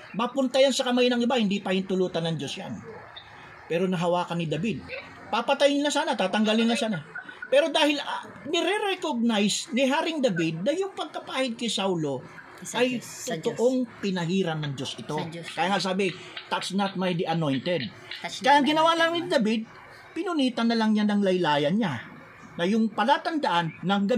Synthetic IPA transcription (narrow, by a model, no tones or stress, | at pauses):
mɐpʊnt̪ɐjansɐkɐmajnɐŋɪbahɪnd̪ipɐhɪnt̪ʊluːt̪ɐnɐŋd͡ʒo̞sja̰n | pɛːɾo̞nɐɦɐwaːkɐnɪd̪ɐbid̪̚ | papɐt̪ajɪnlɐsaːnɐt̪aːt̪ɐŋɡalɪnlɐsaːnapɛːɾo̞d̪aːhɪl | nɛɾɛɾɛkoɡ̚najsnɪɦaːɾɪŋd̪ɐbid̪̚nɐjʊŋpɐɡ̚kɐpaːhɪd̪̚kɐjsawlo̞ | ɐj | t̪ot̪oʔo̞ŋpɪnɐɦiːɾɐnɐŋd͡ʒo̞sʔɪt̪o̞kajaŋasaːbɪ | t̪ɐt̪snɐt̪̚majd̪ɪʔɐno̞jnt̪ɛd̪̚ | kɐjaʔɐŋɡɪnɐwalɐŋnɪd̪ɐbid̪̚ | pɪnʊniːt̪ɐnːɐlɐŋɲanɐŋlɐjlaːjɐnɲa | nɐjʊŋpɐlaːt̪ɐnd̪ɐʔanːɐŋɡɐ